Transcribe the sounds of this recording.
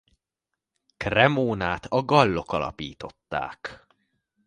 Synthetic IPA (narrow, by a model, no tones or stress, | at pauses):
krɛmoːnaːt̪ɒɡɒlːo̞kɒlɒ̰piːt̪o̞t̪ːa̰ːk